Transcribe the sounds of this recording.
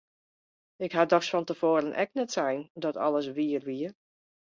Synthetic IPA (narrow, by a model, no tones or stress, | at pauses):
ɪkɦadɔxsfɔntəv̥oːɾənʔɛ̰k̚nɛtsɛjndɔtʰɔ̰ləsʋiərʋiər